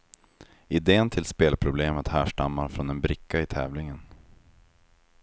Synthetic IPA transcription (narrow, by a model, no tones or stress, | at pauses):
ɪd̪eːənt̪ʰɪlspeːlpʰɾʊbleːmət̪hæːʂʈamːaɾfɾɔnɛnbɾɪkːaɪt̪ʰɛ̰ːvlɪŋən